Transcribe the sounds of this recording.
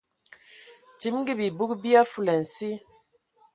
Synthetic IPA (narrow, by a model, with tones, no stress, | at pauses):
ti˨˦mŋɡi˦bi˨bu˦kbi˦a˦fu˦˨lɛ˨n̩˨si˦